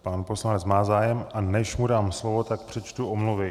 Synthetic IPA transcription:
paːnpo̞slanɛt͡smaːzaːjɛmʔanɛʃmudaːmslovo̞t̪akpr̥ɛt͡ʃt̪uʔomluvɪ

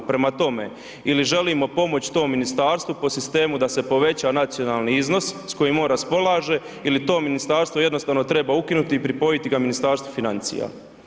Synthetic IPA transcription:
pɾe̞mat̪o̞me̞̰ | iliʒe̞limo̞po̞mo̞t͡ɕt̪o̞ːmːinist̪aːɾst̪ʋupo̞sist̪e̞ːmud̪ase̞po̞ʋe̞t͡ɕanat̪sijonalˠniizno̞ssko̞jimo̞nɾaspo̞lˠaːʒe̞ | ilit̪o̞ːminist̪aːɾst̪voje̞d̪nost̪aːʋno̞t̪ɾe̞baukinut̪iːpɾipo̞jit̪iɡaminist̪aːɾst̪ʋufinant̪sḭja̰

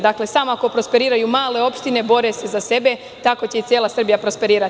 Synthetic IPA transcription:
d̪akle̞saːmoako̞pɾo̞spe̞ɾiːɾajumaːle̞o̞pʃt̪ine̞bo̞ɾe̞se̞zase̞be̞ | t̪ako̞t͡ɕe̞it̪sʲje̞ːlˠasr̩bijapɾo̞spe̞ɾiːɾa

